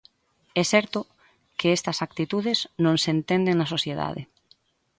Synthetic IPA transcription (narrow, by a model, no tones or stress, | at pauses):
ɛsɛɾt̪ʊ | keɛst̪ɐsak̚t̪it̪uðeznõŋsent̪end̪eŋnɐsosjeða̰ðɪ̰